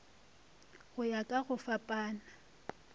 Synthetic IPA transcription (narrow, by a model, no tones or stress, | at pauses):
ɣʊjakʼaɣʊfapʼaːna